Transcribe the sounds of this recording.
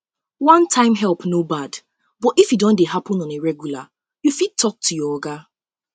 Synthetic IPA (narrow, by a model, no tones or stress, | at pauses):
wãntʰãɪ̃mɦɛlˠpnobad | bɔtifjidɔ̃ndeɦapɔ̃nɔ̃neɹɛɡjula | jufitʰːɔk̚tʰujɔɔɡa